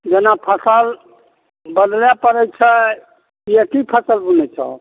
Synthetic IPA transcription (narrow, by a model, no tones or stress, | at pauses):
d͡ʒenapʰəsəl | bəd̪ljapəɾɛt͡ʃʰə | jekipʰəsəlbunɛt͡ʃʰa̰